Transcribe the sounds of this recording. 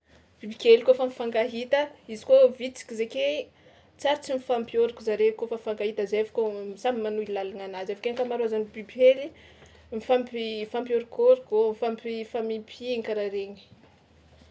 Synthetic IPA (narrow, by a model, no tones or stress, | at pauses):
b̥ibikelikofamifaŋɡaɦit̪əizi̥kovit͡si̥kʲizeke | t͡saɾt͡simifampjoɾikuzaɾekofafaŋɡaɦit̪əzevḁkʲosamimanuilalananazefḁkekamaɾuazanibibeli | mifampifampjoɾikoɾikomifampifamimpʰiŋkaɾaɾeɲi̥